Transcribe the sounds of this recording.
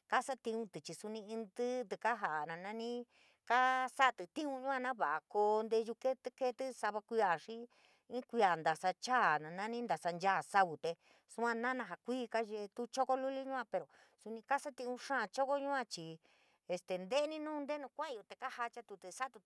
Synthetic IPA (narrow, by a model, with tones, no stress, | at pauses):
ka˦sa˦t̪ĩ˧ũ˧t̪ɨ˨t͡ʃi˧su˧nĩ˧ĩ˧nd̪ɨ˦t̪ɨ˧ka˦ɦa˨ʔnã˧nã˧nĩ˦ | ka˦sa˦˧t̪ɨ˨t̪ĩ˦ũ˧ɲũ˦ã˧nã˦βa˨ʔa˧ko˧nd̪e˧ʒu˧ke˦t̪ke˦˧t̪ɨ˦sa˧βa˧kʷi˧a˨ʂi˦ | ĩ˦kʷi˧a˨nd̪a˨sa˧t͡ʃaː˦˨nã˨nã˦nĩ˦nd̪a˨sa˧nd͡ʒaː˦˨sa˦βu˨t̪e˧ | su˧ã˧nã˦nã˧ɦa˨kʷiː˦ka˦ʒe˧t̪u˦t͡ʃo˦ko˦lu˦li˦ɲũ˦ã˧pe˨ɾo˨ | su˧nĩ˧ka˦sa˦t̪ĩ˧ũ˧ʂãː˦˨t͡ʃo˦ko˦ɲũ˦ã˧t͡ʃi˧ | e˧st̪e˨nd̪e˦nĩ˦nũː˦˧nd̪e˦nũ˧kʷã˦˧o˧t̪e˨ka˦ha˧t͡ʃa˧˦t̪u˧t̪ɨ˧sa˦t̪u˧